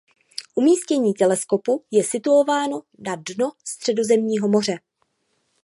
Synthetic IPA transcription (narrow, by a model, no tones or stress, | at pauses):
ʔumiːscɛɲiːt̪ɛlɛsko̞pujɛsɪt̪uo̞vaːno̞ | nadnost̪r̝̥ɛdo̞zɛmɲiːɦo̞mo̞r̝ɛ